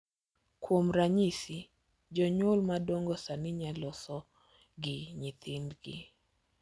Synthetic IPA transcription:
kwomɾaɲisi | d͡ʒɔɲʊlmadoŋɡɔsanɪɲalɔsɔ | ɡɪɲɪt̪ɪndɡɪ̰

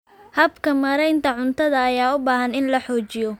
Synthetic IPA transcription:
hɐbkʰɐmɐɾɛjnt̪ʰɐʕʊnt̪ʰɐðɐːjaːʊbaːɦɐnɪnlɐħɔːt͡ʃɪjɔ

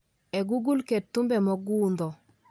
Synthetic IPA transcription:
eɡuɡulketːumbɛmɔɡuːnd̪ɔ

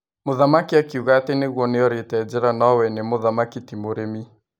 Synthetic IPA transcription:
moðamakiakiuɣaːteneɣwɔneɔɾetɛd͡ʒɛɾanawɛnemoðamakitimoɾemi

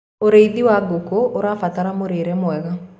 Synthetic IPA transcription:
oɾeiðiwaɡokooɾafat̪aɾamoɾeɾɛmwɛɣa

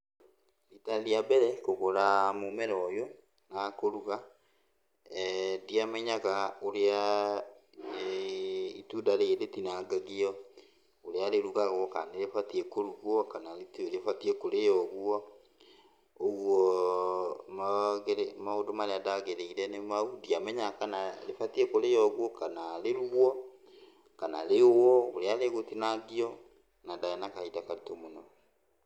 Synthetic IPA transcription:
italiabɛɾɛkoɣoɾamomɛɾɔjo | nakoɾuɣa | diamɛɲaɣaoɾea | itudaɾeeɾetinaɡaɣiɔ | oɾeaɾeɾuɣaɣɔka̰neɾefatiɛkoɾuɣwɔkanaɾetioɾefatiɛkoɾejɔɣwɔ | oɣwɔ | maɣeɾemaodomaɾeadaɣeɾeiɾɛnemaudiamɛɲakanalefatiekoɾejɔɣwɔkanaleɾuɔ | kanaɾewɔoɾeaɾeɣotinaɡiɔ | nadaanakaidakaɾitomonɔ

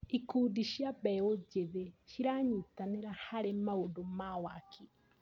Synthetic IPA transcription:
ikuːdiʃjabɛod͡ʒeðeʃiɾaɲutaneɾahaɾemaodomawakʰi

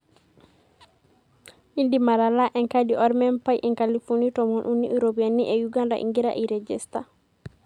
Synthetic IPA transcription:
ʔindimalalaʔɛŋkadiʔɔɾmɛnpajʔɛŋkalifunitɔmɔnʔunːiʔuɾobianːiʔɛjuɡanda̰ʔḭŋɡiɾa̰ʔiɾɛd͡ʒɛsta̰

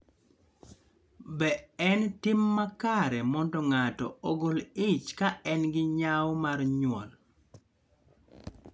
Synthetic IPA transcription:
bɛɛntɪmːakaɾɛmɔndɔŋatɔ̰ɔɡolɪt͡ʃkaɛnɡɪɲawmarɲʊɔ̰l

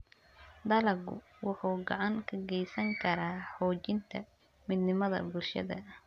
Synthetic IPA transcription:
d̪ɐlɐɡʊ̰ | wʊħuːɡɑʕɑŋkʰɐɡɛjsɐŋkʰɐɾaːħɔːt͡ʃɪnt̪ʰɐ | mɪd̪nɪmɐðɐ̰bʊlʃɐ̰ðɐ̰

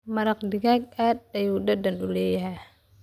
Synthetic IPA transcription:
mɐɾɐqd̪ɪɣaːɡ̚aːd̪̚ɐjuːdɐd̪ɐnʊlɛːjɐɦɛ

